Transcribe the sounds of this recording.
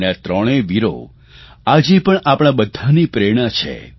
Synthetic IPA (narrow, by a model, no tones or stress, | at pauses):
nat̪ɾɔɽ̃eʋiɾo̰ | ad͡ʒepəɳapɽ̃abəd̪ʱːanipɾeɽ̃at͡ʃʰḛ